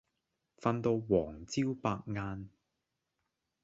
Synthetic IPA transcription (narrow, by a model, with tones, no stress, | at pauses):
fa˧nt̪o˧wwɔː˨˩ŋt͡siː˥wpaː˧k̚ŋaː˧n